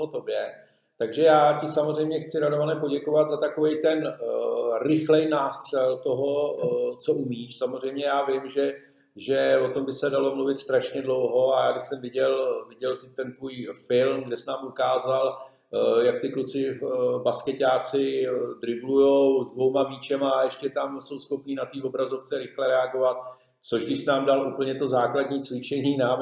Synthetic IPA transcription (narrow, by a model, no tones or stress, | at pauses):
ot̪objɛ | t̪aɡʒɛjaːcɪsamozrɛjmɲɛxt͡sɪɾadovanɛpo̞ɟɛko̞vad̪zat̪akovɛjt̪ɛn | rɪxlɛjnaːst̪r̥ɛlt̪oɦo̞t͡soʔumiːʃsamo̞zr̝ɛjmɲɛjaːvɪmʒɛ | ʒɛo̞t̪ombɪsɛdalo̞mluvɪt̪st̪ɾaʃɲɛdlo̞wɦo̞ajaːɡɪxsɛmvɪɟɛlvɪɟɛlt̪ɪt̪ɛnt̪vuːjfɪlmɡdɛsnaːmʔukaːzal | jak̚t̪ɪklut͡sɪbaskɛcaːt͡sɪd̪ɾɪblujowzdvo̞wmaviːt͡ʃɛmajɛʃcɛt̪amso̞wsxo̞pniːnat̪iːo̞bɾazo̞ft͡sɛɾɪxlɛɾɛaɡo̞vat̪̚ | t͡so̞ʒɡdɪʃsnaːmdalʔupl̩ɲɛt̪o̞zaːkladɲiːt͡svɪt͡ʃɛɲiːna